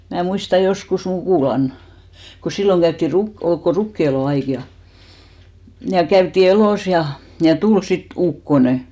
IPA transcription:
mæː muistɑ joskus mukuˑlɑn ko silːoŋ kæytːi ruk ol ko rukːieloˑ ɑik jɑ jɑ kæytːi eloˑs jɑ jɑ tul sit ukːone

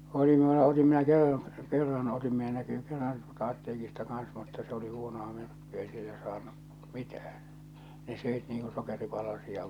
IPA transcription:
oli mĭn̆ulːɑ otim minæ kerːɑn kerːɑn otim minæ nækyː kerːɑn tuoltɑ ɑtːeːkistɑ kɑn̞s mutːɑ s oli huonoɑ myrkːyæ ei silːæ sɑːnːu mitæh̞æn ne søˑit niːŋ ku sokeripɑlɑsiɑ

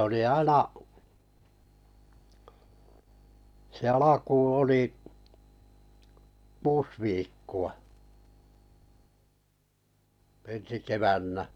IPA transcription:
oli ɑinɑ se ɑlɑkuːn̞̆ oli kuːs ʋiːkːuɑ ensi keʋænːæ

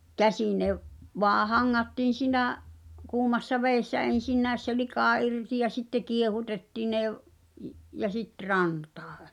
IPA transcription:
kæsĩː ne ʋ ʋoɑ hɑŋːɑtːiːn̞ siˑnæˑʔ kuːmɑsːɑ ʋeˑi̞sːæ en̞sinːæˑes se likɑˑ irti jɑ sitːe kiehutetːiː ne ʋ i jɑ sit rɑntɑ̥ː

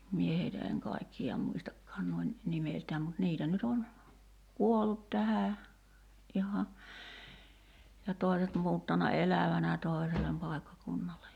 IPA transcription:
mie heitæ eŋ kɑikːiɑ muistɑkːɑːn nuoin nimeltæːm mut niːtæ nyt on kuolːut tæhæ ʔihɑ jɑ toˑi̞set muːtːɑnɑ elæʋænæ toˑi̞selem pɑˑi̞kːɑkunːɑle

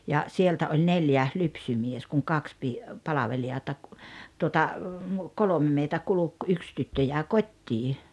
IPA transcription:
jɑ sieltæ olʲ neljæ lypsymies kuŋ kɑks pi pɑlɑʋeliɑtɑ tuotɑ kolome meitæ kuluk yks tytːø jæˑe kotʲːiː

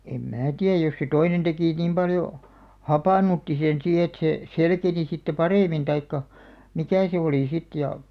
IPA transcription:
em mæː tiæj jos se toinen tekiˑ niˑm pɑljo hɑpɑˑnutːi sen siː et se selkeni sitːe pɑreˑmin tɑikːɑ mikæˑ se oliˑ sit jɑ

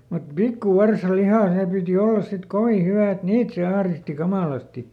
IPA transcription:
mut pikːuʋɑrsɑlihɑˑ seˑ piˑti olːɑs sit koʋi hyʋæˑ et niːt se ɑhristi kɑmɑˑlɑsti

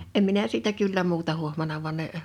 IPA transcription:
em minæ siːtæ kylːæ muːtɑ huohmɑnɑ ʋŭ̥ɑn ne

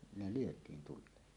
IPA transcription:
ne lyøtˑiːn tulˑeːn

